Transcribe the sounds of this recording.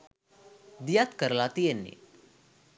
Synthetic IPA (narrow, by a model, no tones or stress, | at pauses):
d̪ijat̪kəɾlat̪ijenːḭ